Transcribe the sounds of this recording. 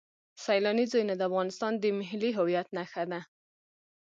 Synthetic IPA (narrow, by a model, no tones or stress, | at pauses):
sajlɑnizɑjnad̪əafɣɑnɪst̪ɑnd̪əmɪɦliɦʊwijat̪naxad̪a